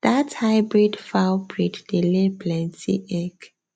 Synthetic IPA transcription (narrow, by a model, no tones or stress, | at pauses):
d̪̥athaɪbɹidfawbɹiddileblɛ̃ntḭʔɛk